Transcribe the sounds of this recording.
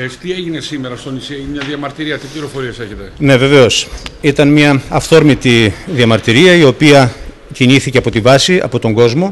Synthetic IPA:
t̪ieʝine̞simeɾɐst̪o̞nisieʝinemɲɐðiɐmɐɾt̪iɾiɐt̪ipliɾo̞fo̞ɾieseçet̪e̞ne̞ve̞ve̞o̞sit̪ɐnmɲɐɐfθo̞ɾmit̪iðiɐmɐɾt̪iɾiɐio̞piɐ | ciɲiθiceɐpo̞t̪ivɐsiɐ̰po̞t̪o̞ŋɡo̞zmo̞

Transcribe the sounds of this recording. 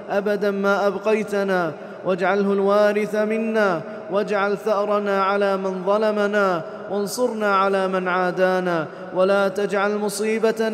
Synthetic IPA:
ʔabad̪anmaːʔabqɑjt̪naː | wʔad͡ʒʕalɦʊlwaːɾɪθamɪnːaː | wad͡ʒʕalθaʔɾˤɑnaːʕalaːmɪnðˤɑlamanaː | wɑnsˤʊɾnaːʕalaːmɪnʕaːd̪aːnaː | walaːt̪ad͡ʒʕalmʊsˤiːbat̪

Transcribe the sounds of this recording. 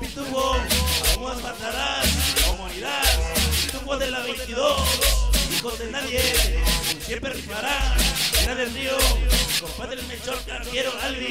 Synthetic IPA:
pit̪uɣoamuasmat̪aɾasaumaniðaðpit̪uɣoðelaβejnt̪iðosikot̪enaðjeesjempɾeripaɾaenaðelrioikopaðelmet͡ʃoɾt̪akeɾoali

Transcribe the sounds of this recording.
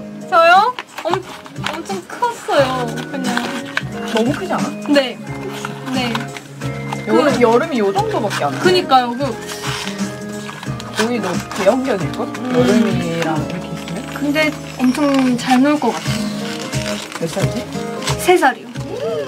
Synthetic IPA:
t͡ɕʌjoʌmt͡ɕʰ | ʌmt͡ɕʰʌŋkʰɯʌs͈ʌjokɯmʌnnʌmukʰɯd͡ʑianane̞ | ne̞ | jʌɯɾɯjʌɾɯmijod͡ʑʌŋdobak͈eanakɯɲik͈ajokɯ | oinʌtejʌŋjʌdiɭk͈ojʌɾɯmieiɾaiɾʌkʰe̞is͈ɯmjokɯnde̞ | ʌmt͡ɕʰʌŋt͡ɕaɭnuɭk͈ʌk͈atʰes | mes͈ad͡ʑisʰe̞s̬ʰaɾio

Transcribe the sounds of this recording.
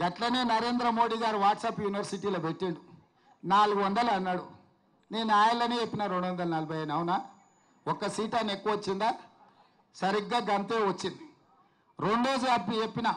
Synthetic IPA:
ɡɐʈlɐneːnɐɾe̞ːnd̪ɾɐmo̞ːɽiːɡaːɾuʋaːʈsaːpjuːniʋɐɾsiʈiːloːbeʈːiɳɖu | naːluɡuʋɐnd̪ɐlɐɐnːɐːɽu | ne̞ːnaːjɐlɐneːepːinɐɾeɳɖuʋɐnd̪ɐlɐnɐlɐbʱɐjɐnɐwna | ɔkːɐsiːʈɐnekːuʋɐt͡ʃːind̪aː | sɐɾiɡːaːɡɐnt̪eːʋɐt͡ʃːind̪i | ɾe̞ɳɖɾo̞ːd͡ʒuɐbiepːinɐ

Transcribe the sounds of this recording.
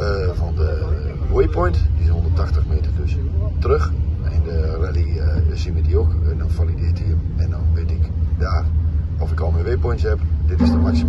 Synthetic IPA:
əfɔndəʋojpʰɔjntdishondərtaxtəxmeːtərdøstrøxɪndəralisimədiokdɔnfalidɪtiəmɛndɔnʋetɪkdaːr | ɔfɪkɔlˠmɛʋejpɔjntshɛpdɪtɪsdəmaksi

